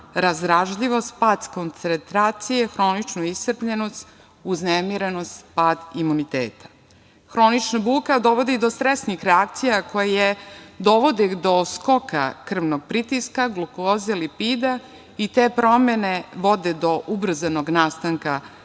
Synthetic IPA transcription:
ɾazɾaʒʎiʋo̞st̪̚paːd̪skont̪sent̪ɾaːt̪sijexɾo̞nit͡ʃnuist̪rpʎenost̪ | uznemiɾeno̞st̪paːd̪imunit̪ḛːt̪ḁ | xɾo̞nit͡ʃnabuːkad̪o̞ʋo̞d̪id̪ost̪ɾesnixɾeak̚t̪sijakojajed̪o̞ʋo̞d̪ed̪o̞sko̞ka̰kr̩ʋnoɡ̚pɾit̪iskaɡlukozelipid̪a | it̪eːpɾo̞mene̞ʋo̞d̪ed̪o̞ʔubr̩zano̞ɡnaːst̪aŋka

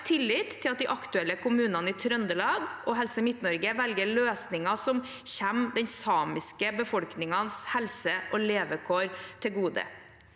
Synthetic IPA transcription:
t̪ʰɪlːɪːt̪ʰːɪlɑt̪̚d̪ɪʔɑkt̪ʉɛlːəkʰʊmʉːnɑnəɪːt̪ʰɾœnd̪əlɑːɡɔɦɛlsəmɪt̪nɔɾɡəʋɛlɡəɭøːsnɪŋɑsɔm | çɛmd̪ɛɲsɑːmɪskəbəfɔlknɪŋɑnshɛlsəʔɔleːʋəkʰoːɾt̪ʰɪlɡuːd̪ə̰

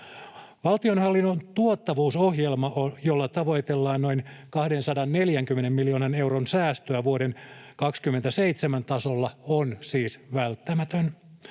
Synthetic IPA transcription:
ʋɑlt̪ionhɑlːinːont̪uot̪ːɑʋuːso̞hjelmɑojolːɑt̪ɑʋo̞jt̪elːɑːnno̞inkɑhdensɑdɑnːeljæŋkymːenemːmiljoːnɑne̞wronsæːst̪øæʋuodenkɑkskymːent̪æseit̪semænt̪ɑsolːɑonsiːsʋælt̪ːæmæt̪øn

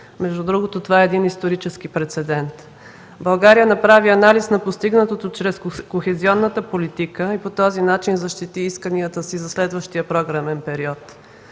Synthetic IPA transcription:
mɛʒd̪ud̪ɾuɡot̪ot̪ovaɛɛd̪inist̪oɾit͡ʃɛsk̟ipɾɛt̪sɛd̪ɛnt̪ | bɐlˠɡaɾijənɐpɾaviɐnalisnɐpost̪iɡnət̪ot̪ot͡ʃɾɛskoxɛziɔnːət̪əpolit̪ikəipot̪ɔzinat͡ʃinzɐʃt̪it̪iiskəniət̪əsizɐslɛd̪vəʃt̪ijəpɾɔɡɾamɛnpɛɾiɔt̪

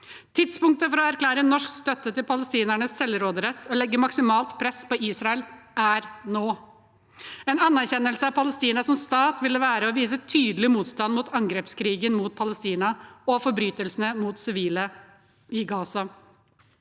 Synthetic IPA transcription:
t̪ʰɪd̪spʊŋk̚t̪əfɔɾɔæɾklæːɾənːɔʂkst̪œt̪ːət̪ɪlpʰɑləst̪iːnæɳəssɛlɾoːd̪əɾɛt̪ʰːɔlɛɡːəmɑksɪmɑːlt̪pʰɾɛspɔiːsɾɑɛlæɾnoː | ɛnɑnːæɾçɛnːəlsəɑpʰɑləst̪iːnɑsɔmst̪ɑːt̪ʋɪlːəʋæːɾəɔʋiːsət̪ʰyːd̪lɪmuːt̪st̪ɑnmuːt̪ʰɑŋɡɾeːpskʰɾiːɡənmuːt̪̚pʰɑləst̪iːnɑɔfɔɾbɾyːt̪əlsnəmuːt̪sɪʋiːlə | ɪɡɑːsɑ

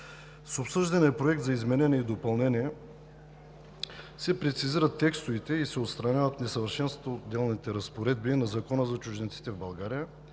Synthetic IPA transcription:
sopsɤʒd̪ɐniɛpɾoɛk̚t̪zɐizmɛnɛnɛid̪opɐlˠnɛniɛ | sɛpɾɛt̪siziɾət̪ːɛkst̪ʊvit̪ɛisɛot̪st̪ɾɐnʲavət̪nɛsəvəɾʃɛnst̪t̪vod̪ːɛlˠnit̪ɛɾɐspoɾɛd̪̚binɐzɐkɔnəzɐt͡ʃʊʒd̪ɛnt̪si̥t̪ɛvbɐlˠɡaɾijə

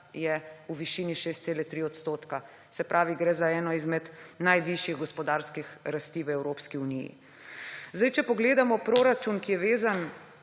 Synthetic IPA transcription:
jɛuʋiʃiːniʃeːst̪seːlɛt̪ɾiɔt̪st̪oːt̪ka | sɛpɾʔaːʋiɡɾɛːzaɛːnɔizmɛd̪najʋiʃjiɣɡɔspɔd̪aːɾskixɾast̪iːʋəɛwɾoːpskiunijḭ | zd̪ajt͡ʃɛpɔɡleːd̪amɔpɾoːɾat͡ʃunkijɛʋeːzan

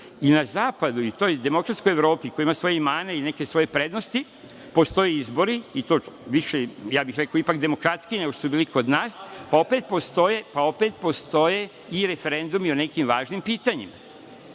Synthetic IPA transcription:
inazaːpad̪uit̪o̞jd̪e̞mo̞kɾat̪sko̞jeʋɾo̞ːpiko̞joimasʋo̞jeimaːneine̞ke̞sʋo̞je̞pɾe̞d̪nost̪i | po̞st̪o̞jeizbo̞ɾiit̪o̞ːʋiʃejaːbixɾekoipakd̪e̞mo̞kɾat̪skineɡoʃt̪osubiːliko̞d̪naːspao̞pe̞t̪̚po̞st̪o̞je̞pao̞pet̪̚po̞st̪o̞je̞ | iɾefeɾe̞nd̪umione̞kimʋaːʒnimpiːt̪aɲima̰

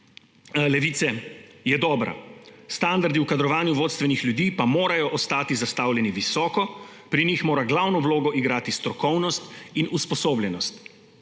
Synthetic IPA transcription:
lɛʋit̪sɛjɛd̪ɔːbɾa̰st̪and̪aɾd̪iwkad̪ɾɔʋaːnjuʋoːt̪st̪ʋɛnixljud̪iːpamoːɾajɔʔɔst̪aːt̪izast̪awlʲjɛniʋisɔːkɔ | pɾinixmoːɾaɡlawnɔwloːɡɔʔiɡɾaːt̪ist̪ɾɔkɔwnɔst̪inuspɔsoːblʲjɛnɔst̪

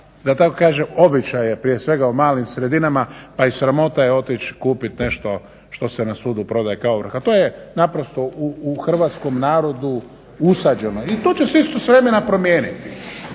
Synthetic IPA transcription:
d̪at̪akokaːʒemo̞bit͡ʃajepɾije̞sʋe̞ɡaumaːlimsɾe̞d̪inamapaisɾamo̞t̪ajeo̞t̪it͡ʃkuːpit̪ne̞ʃt̪o̞ | ʃt̪o̞senasuːd̪upɾo̞d̪ajekaoʋɾr̩xat̪o̞ːjenapɾo̞st̪o̞ʔuːxr̩ʋat̪sko̞mnaːɾo̞d̪u | usad͡ʒe̞no̞it̪o̞t͡ɕesist̪osʋɾe̞me̞napɾo̞mje̞ːnit̪i

